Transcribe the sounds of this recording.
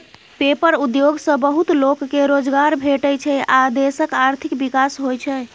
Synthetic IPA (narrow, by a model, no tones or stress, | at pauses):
pepəɾud̪joɡsə̃bəɦut̪lokːeɾod͡ʒɡaɾbʱeʈəjt͡ʃʰɛʔad̪esəkaɾt̪ʰikbikasɦojt͡ʃʰɛ